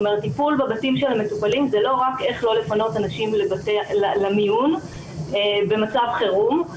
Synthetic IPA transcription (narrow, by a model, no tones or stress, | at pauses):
me̞ʁet̪ːipulbabatimʃelametupalimzelo̞ʁake̞χlo̞le̞fano̞tanaʃimlebtealamijun | ebe̞mat͡savχeʁum